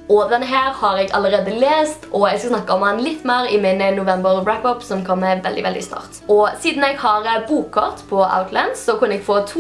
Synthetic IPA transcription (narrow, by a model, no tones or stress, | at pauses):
ʔɔd̪ɛnəɦæːɾhɑɾɛɡɑ̰lːəɾeːd̪əleːst̪ʰʔɔɛɡskɑsnɑkːɑɔmɑnlɪt̪ːmeːɾɪmɪnənʊʋɛmbəɾɹæpɔpsɔmkʰɔmːɛʋɛld̪ɪ̰ʋɛld̪ɪ̰st̪ɑ̰ːʁt̪ʔɔsiːd̪n̩ɛɡhɑɾəbuːkʰːɔʁt̪pʰɔa̰ʊt̪lænsɔkʉnəɛɡ̥foːt̪ʰu